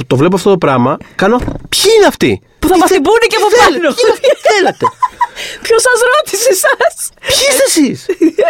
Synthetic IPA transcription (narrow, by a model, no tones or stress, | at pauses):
t̪o̞vle̞p̬oɐft̪o̞t̪opɾɐmɐkɐno̞pçiineɐft̪ḭ | puθɐmɐsibuniceɐfofɐlnoθθelet̪e | pçosɐzɾot̪isesɐsçist̪esis